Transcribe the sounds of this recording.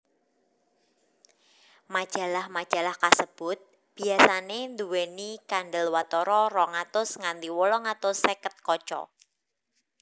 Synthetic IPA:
mad̥ʒ̥a̤lahmad̥ʒ̥a̤lahkasəb̥ʊt̪̚ | b̥i̤asanend̪uwenikanɖəlwat̪ɔɾɔrɔŋat̪ʊsŋand̪iwolɔŋat̪ʊsːekət̪̚kɔt͡ʃɔ̰

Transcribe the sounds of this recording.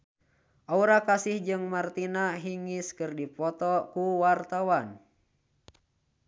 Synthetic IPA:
ʔauɾakasihd͡ʒɨŋmart̪inaɦiŋiskɨrdipɔt̪ɔkuwart̪awan

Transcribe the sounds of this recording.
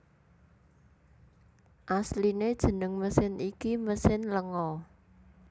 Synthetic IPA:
ʔaslined̥ʒ̥ə̤nəŋməsɪnikiməsɪnləŋɔ

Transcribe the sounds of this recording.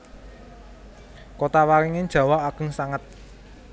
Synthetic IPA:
kot̪awaɾiŋed̥ʒ̥ä̤waaɡ̥ə̤ŋsaŋət̪̚

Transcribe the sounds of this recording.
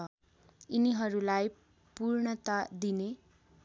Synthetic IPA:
ʌ | iniɦʌɾulaj | purɳʌt̪ad̪ine

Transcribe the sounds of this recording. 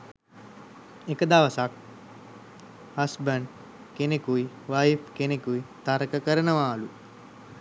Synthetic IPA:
ekəd̪aʋəsak̚ | hɐsbəɳɖ | kenekui | ʋajfkenekuit̪aɾəkəkəɾənəʋaːlu

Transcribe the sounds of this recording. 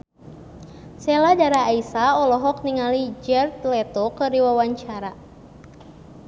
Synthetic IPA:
sɛladaɾaːisaɔlɔɦɔk̚niŋalid͡ʒɛrt̪̚lɛt̪okəriwawaɲt͡ʃaɾa

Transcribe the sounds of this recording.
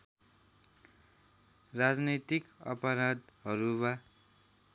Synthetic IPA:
rad͡znʌt̪ikʌ̰pʌɾʌd̪ɦʌɾuβa

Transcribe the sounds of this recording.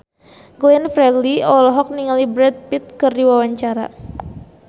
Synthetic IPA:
ɡoɛnfɾɛliɔlɔɦɔk̚niŋalibɾɛd̪̚pit̪̚kɨrdiwawaɲt͡ʃaɾa̰

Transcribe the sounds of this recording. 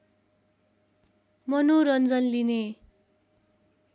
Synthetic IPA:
mʌnoɾʌnd͡zʌnline

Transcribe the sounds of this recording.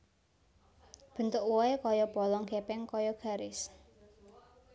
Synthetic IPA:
b̥ə̤nt̪ʊkwɔekɔjɔpɔlɔŋɡepɛŋkɔjɔɡ̥ä̤ɾɪs

